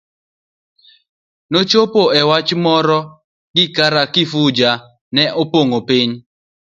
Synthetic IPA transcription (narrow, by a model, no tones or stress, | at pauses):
not͡ʃopoɛwat͡ʃmɔɾɔ | ɡɪkaɾakɪfud͡ʒa | nɛʔopoŋopiɲ